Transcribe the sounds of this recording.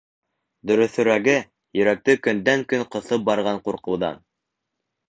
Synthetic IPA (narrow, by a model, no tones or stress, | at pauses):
d̪ɵ̆ɾɵ̆θɵ̆ɾæɡɘ | jɵ̆ɾæk̚t̪ɵkɵ̆nd̪æŋkɵŋqɤ̆θɤp̚bɑɾʁɑɴquɾqɤ̆wðɑ̰n